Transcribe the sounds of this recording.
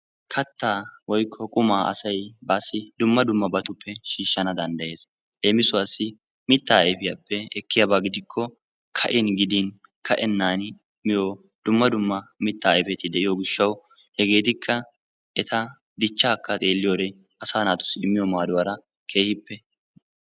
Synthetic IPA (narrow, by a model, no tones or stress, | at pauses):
kʰɐt̪ːaːwɔjkʰːɔkʼʊmaːʔɐ̰sɐjbaːsːɪd̪ʊmːɐd̪ʊmːɐbɐt̪ʊpːɛʃiːʃːɐnɐd̪ɐnd̪ɐje̞ːs | leːmɪsʊwasːɪ | mɪt̪ːaːɛjfɪjapːɛɛkːɪjɐbaːɡɪd̪ɪkʰːɔ | kʰɐʔɪnɡɪd̪in | kʰɐʔɛnːaːn | mɪjo | d̪̥ʊmːɐd̪ʊmːɐmɪt̪ːaːɛfɛt̪ːɪd̪ɛʔɪjoːɡɪʃːɐw | hɛɡe̞ːt̪ɪkʰːɐ | ɛt̪ʰɐ | d̪ɪt͡ʃːaːkːɐt̪ʼe̞ːlːɪjoːd̪ɛ | ɐsaːnaːt̪ʊ̥sɪmːɪjɔmaːd̪ʊwɐɾɐ | kʰe̞ːhɪpːɛ